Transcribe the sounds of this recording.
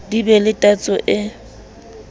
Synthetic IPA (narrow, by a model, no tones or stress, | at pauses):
dibɛlɪtʼat͡sʼɔʔɪ